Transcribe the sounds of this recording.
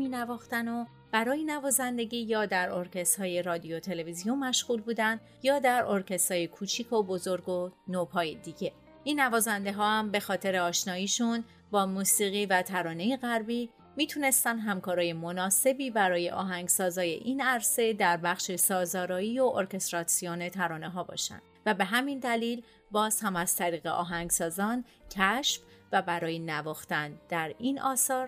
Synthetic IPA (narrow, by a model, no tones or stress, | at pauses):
miːnævɒːxt̪æno̞ | b̥æɾɒːjenævɒːzænd̪e̞ɟiːjɒːd̪æɾoɾcʰe̞st̪hɒːje̞ɾɒːd̪ijo̞t̪ʰe̞le̞vizijonmːæʃɣuːlbuːd̪ænd̪ | jɒːd̪æɾo̞ɾcʰe̞st̪hɒːje̞kʰuːt͡ʃʰiːkʰo̞bozo̞ɾɡo̞nopʰɒːjed̪iːɟe̞ | ʔinːævɒːzænd̪e̞ɦɒːhæmbe̞xɒːt̪ʰe̞ɾeɒːʃnɒːiːʃun | bɒːmuːsiːɣiːvæt̪ʰæɾɒːne̞jeɣæɾbiː | miːt̪ʰune̞st̪ænd̪ɦæmkʰɒːɾɒːje̞monɒːse̞biːbæɾɒːje̞̰ʔɒ̰ːɦæŋɡsɒːzɒːje̞̰ʔiːnæɾse̞d̪æɾbæχʃesɒːzɒːɾɒːiːoʔoɾce̞st̪ɾɒsione̞t̪ʰæɾɒːne̞ɦɒːbɒ̰ːʃæ̰nd̪̥væbe̞ɦæmind̪æliːl | bɒːz̥hæmæz̥t̪ʰæɾiːɣe̞̰ʔɒ̰ːɦæŋɡsɒːzɒːn | cʰæʃf | væbæɾɒːjenævɒːxt̪ænd̪̥æɾiːnʔɒːsɒːɾ